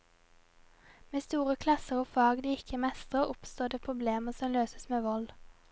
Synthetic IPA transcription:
meːst̪uːʁəkʰlɑsəʁoːfɑːɡd̪iːɪkʰəmɛst̪ʁəʁʊpst̪oːd̪eːpʰʁʊbleːməsɔmløːsəsmeːʋɔl

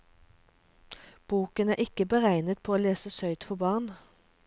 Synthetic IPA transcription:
b̥uːkənæːʁʔɪkəbəʁæɪnət̪̚pʰoːoːleːsəsœʏt̪fɔʁbɑːʁn

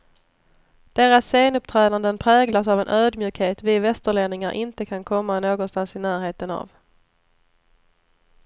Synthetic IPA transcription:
d̪̥eːɾasːeːnɵp̚t̪ʰɾɛːd̪and̪ənpʰɾɛːɡlasavɛnʔøːd̪mjʉːkheːt̪vɪvɛst̪əɭeːd̪nɪŋaɾʔɪnt̪əkʰankʰɔmːanoːɡɔnst̪ansɪnæːɾɦeːt̪əna̰v

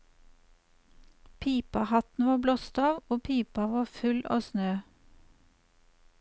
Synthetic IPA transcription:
pʰiːpɑhɑt̪n̩ʋɑːblɔst̪ɑːʋoːpʰiːpɑʋɑːfʉlʔɑ̰ːsnøː

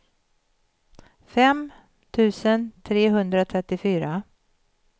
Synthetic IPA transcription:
fɛm | t̪ʰʉ̟ːsənt̪ʰɾeːɦɵnd̪ɾat̪ʰɾɛt̪ːɪfyːɾa

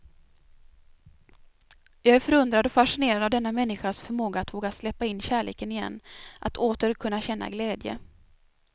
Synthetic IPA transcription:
jɑːɡæɾfœɾɵnd̪ɾad̪ɔfaʂɪneːɾad̪avd̪ɛnːamɛnːɪɧasfœɾmoːɡaːt̪voːɡaslɛpːaɪnːɕæːɭḛːkənɪjɛ̰nːʔat̪ʰoːt̪əɾkʰɵnːaɕɛnːa̰ɡlɛːd̪jə̰

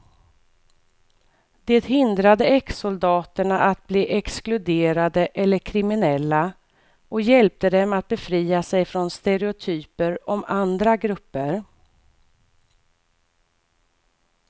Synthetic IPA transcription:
d̪eːt̪hɪnd̪ɾad̪əɛksʊld̪ɑːt̪əɳaʔat̪̚bliːʔɛksklɵd̪eːɾad̪əʔɛlːəɾkʰɾɪmɪnɛlːa | ʔɔkjɛlp̚t̪əd̪ɛmat̪̚bɛfɾiːasɛjfɾɔnst̪ɛɾɛʊt̪ʰyːpəɾɔmand̪ɾaɡɾɵpːəɾ

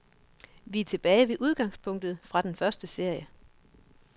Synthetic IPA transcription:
ʋit͡sʰe̝b̥ɛːɪʋe̝ʔuð̞ˠɡ̥ɑ̈ŋspʰɔ̽ŋ̰d̥ð̩ˠfʁɑ̈d̥enfɶɐsd̥əse̝ɐ̰jə

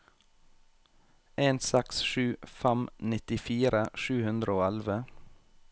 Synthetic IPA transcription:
eːnsɛksʃʉːfæmnɪt̪ɪfiːɾəʃʉːhʉnd̪ɾəoːælʋə

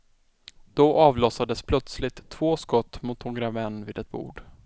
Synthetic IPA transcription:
d̪̥ɔʔɑːvlɔsad̪əspʰlœt̪slɪt̪ʰːv̥oːskɔt̪ːmʊt̪hɔɡɾavɛnːviːd̪ɛt̪̚bṵːɖ

